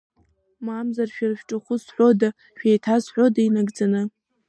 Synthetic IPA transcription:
mamzarʃᶣarʃʲᶣʈ͡ʂʼɨχʷʊsħʷoda | ʃᶣejtʰazħʷᶣodainaɡd͡zanɨ

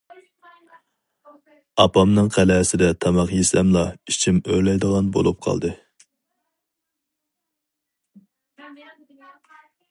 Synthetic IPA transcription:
ɑpɑmnɨŋqʰælɛsɪd̪ɛt̪ʰɑmɑqjesɛmlˠɑit͡ʃʰimøɾlɛjd̪əʁɑnbo̰lˠup̚qʰɑ̰lˠd̪ɨ

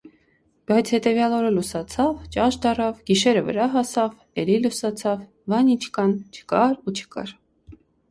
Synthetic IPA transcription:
b̥ɑjt͡sʰhɛt̪ɛvjɑlɔɾəlusɑt͡sʰɑvt͡ʃɑʃd̪ɑrɑvɡ̥iʃɛɾəvə̰ɾɑɦɑsɑv | ɛlilusɑt͡sʰɑv | vɑnint͡ʃʰkɑnt͡ʃʰə̥kɑɾut͡ʃʰə̥kɑ̰ɾ

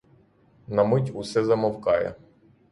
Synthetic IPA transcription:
nɐmɪtʲusɛzɐmɐwkɑjɐ̰

